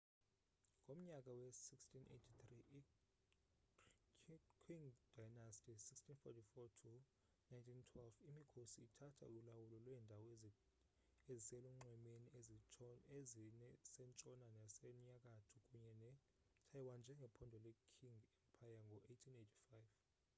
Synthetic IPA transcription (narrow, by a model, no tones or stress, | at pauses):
ŋʱom̩ɲak̬ʼawɛsikstʰinʔḛtʰit̪riʔ | kʰiŋd̥ajnastʰʼisikstʰinfɔ̰tʰifɔtʰu | najntʰintʰwɛlfimikʰosiːtʰatʰa̰ululawulɔlwɛːndʱawɔ | ezisɛluŋ͡ǀɛmenie | eznɛsɛnt͡ʃʼɔnanɛsɛɲak̬ʼatʰukʼuɲɛnɛ | tʰajwand͡ʒʱɛŋɡʱɛpʰɔndʱɔlɛkʰiŋɡɛmpʰajaŋɡʱɔʔejtʰinejtʰi̥fajv